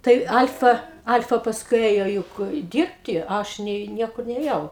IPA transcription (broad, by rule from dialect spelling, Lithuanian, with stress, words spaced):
ˈtɐɪ ˈɐlʲfɐ ˈɐlʲfɐ pɐsˈkʊɪ ˈeːjoː ˈjʊk ˈdʲiːrʲpʲtʲɪ ˈɐʃ nʲɛɪ ˈnʲiɛkʊr nʲeːˈjɛʊ